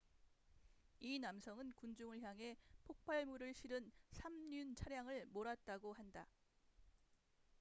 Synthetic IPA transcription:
inamsʰʌŋɯnkund͡ʑuŋɯɭçjaŋɦe̞pʰok̚pʰaɭmuɾɯɭɕʰiɾɯnsʰamɲunt͡ɕʰaɾjaŋɯɭmoɾat̚t͈aɡohanda

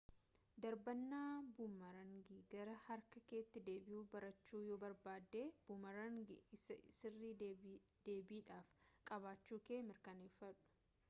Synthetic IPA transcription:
d̪ɐɾbɐnːaːbʊmɐɾɐŋɡiɡɐɾɐhɐɾkɐkeːt̪ːɪd̪e̞ːbɪhuːbɐɾɐt͡ʃːuːjoːbɐɾbaːd̪ːeːb̥ʊmɐɾɐŋɡɪssɪrːiː | d̪̥e̞ːbiːᶑaːfkʼɐβaːt͡ʃːuːke̞ːmɪɾkɐneːfːɐᶑʊ̥

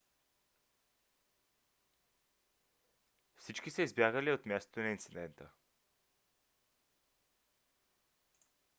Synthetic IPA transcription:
fsit͡ʃkisəizbjaɡəliot̪mʲjast̪o̥t̪onɐint̪sid̪ɛnt̪ə̰

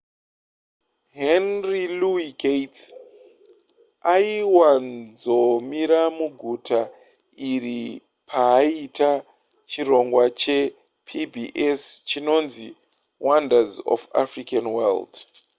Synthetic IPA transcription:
ɦenriluikejt | aiwand͡zomiɾamuɡʱutʰa | iri | pʰaːita | t͡ʃiɾo̞ŋɡwat͡ʃe̞ | pʰibʱiʔest͡ʃino̞nzi | wandazo̰fa̰frikanwald

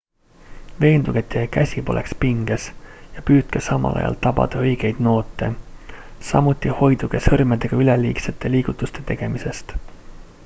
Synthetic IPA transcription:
ve̞ːnd̪̥uɡ̥e̞t̪ːˑekæsʲipo̞lʔe̞̰kspiŋɡ̥esjɑpyːt̪̚kesɑmɑ̰lɑ̰jɑ̰lt̪ɑbɑ̰d̪̥ɑɤ̞jɡ̥e̞jd̪̥no̞ːt̪ˑːe̞̰ | sɑ̰mut̪ːˑiho̞jd̪̥uɡ̥esɤrmed̪e̞ɡ̥ɑyleliːkset̪ːˑe̞liːɡ̥ut̪ːˑust̪e̞t̪e̞ɡ̥e̞mise̞st̪

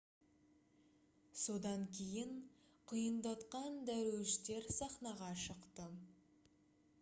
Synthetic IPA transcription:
so̞d̪ɑŋkʲʰe̞jɪɴ | qʰʊjənd̪ɑt̪qɑnd̪æɾʃt̪e̞ɾsɑχnɑʁɑʃəqt̪ə

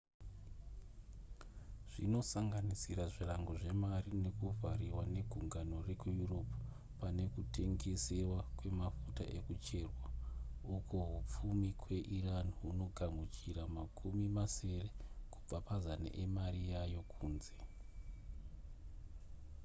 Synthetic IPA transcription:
ʐ̥ino̞saŋɡanisiɾaʐiraŋɡo̞ʐe̞marine̞kuvʱaɾiwane̞ɡʱuŋɡano̞re̞kujuro̞pu̥ | pane̞kutʰe̞ŋɡe̞se̞wakwe̞mafuta̰ʔe̞kut͡ʃe̞ːrwaukʰoɦup͡fumikwe̞ʔiraniɦuno̞ɡʱamut͡ʃiɾamakʰumimase̞re̞ku̥b͡vapazana̰ʔemarijajo̞kʰuːnze̞

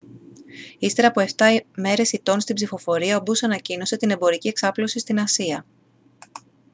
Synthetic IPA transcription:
ist̪e̞ɾɐpoe̞ft̪ɐme̞ɾe̞sit̪o̞nst̪ibzifo̞fo̞ɾiɐobusɐnɐcino̞se̞t̪ine̞mbo̞ɾicie̞ksɐplo̞sist̪inɐsiɐ

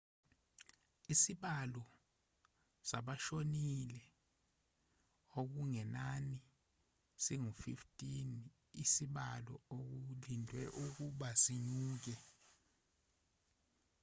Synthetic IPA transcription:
isiɓalɔ | saɓaʃonilɛ | ok̬uŋɛnani | siŋufiftʼin | isiɓalɔok̬ulindʱwɛʔuk̬uɓasiɲuːk̬ɛ

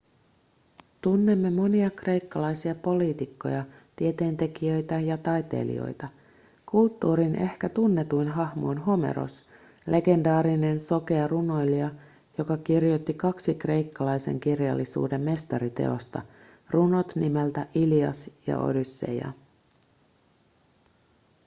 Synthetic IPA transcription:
t̪unːe̞mːe̞mo̞niɑkre̞jkːɑlɑjsiɑpo̞liːt̪ikːo̞̰jɑt̪ie̞t̪e̞ːnt̪e̞k̟iø̞jt̪æjɑt̪ɑjt̪e̞̰lḭo̞̰jt̪ɑ | kult̪ːuːɾinʔe̞hkæt̪unːe̞t̪ujnɦɑhmojnɦo̞me̞̰ɾo̞̰s | lʔe̞ɡe̞ndɑːɾine̞nso̞ke̞ɑruno̞jliɑ | jo̞kɑkirjot̪ːikɑksikre̞jkːɑlɑjse̞̰ŋk̟irjɑ̰lːisṵːde̞mːe̞st̪ɑɾit̪e̞̰o̞̰st̪ɑ | runo̞t̪nimelt̪æʔiliɑ̰sjɑ̰ʔo̞̰dysːe̞̰jɑ̰

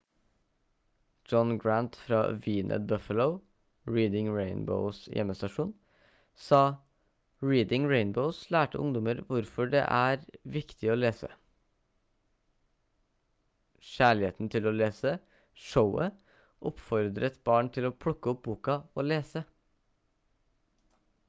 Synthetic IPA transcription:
d͡ʒɔnɡɹænt̪fɾɑ̰ːʋiːnʔə̰bœfələʊ | ɹiːd̪ɪŋɹeɪnbə̰ʊsjʔɛ̰mːəst̪ɑʂuːn | sɑː | ɹiːd̪ɪŋɹeɪnbəʊslæːʈə̰ʔʊ̰ŋd̪ɔməɾʋʊɾfɔɖɛ̰ʔæːɾʋɪkt̪ʰɪoːleːsə̰ | ʃæːɭɪheːt̪n̩t̪ʰɪloːleːsə | ʂəʊə | ʔɔpfɔɾd̪ɾət̪bɑːɳt̪ʰɪloːpʰɽʊkːəɔp̚buːkɑoːleːsə

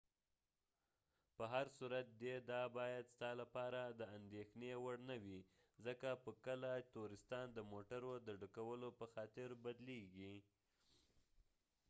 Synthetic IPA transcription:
pəɦaɾsuɾat̪̚d̪ed̪ɑbɑjad̪st̪ɑlapɑɾad̪əand̪exnewaɽnawi | zəkapəkəlat̪oɾɪst̪ɑnd̪əmoʈaɾod̪əɖukawəlopəxɑt̪ɪɾbad̪leɡi

